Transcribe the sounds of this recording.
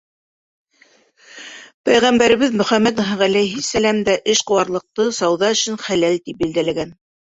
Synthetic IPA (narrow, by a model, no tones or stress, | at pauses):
pæjʁæmbæɾɘ̆βɘðmɵ̆χæmːæt̪ɦʁælæjɦisælæmd̪æʔɘʃqɤ̆wɑɾlˠɤ̆q̚t̪ɤsɑwðɑɵ̆ʃɘ̆nχælælt̪ip̚bild̪ælæɡæn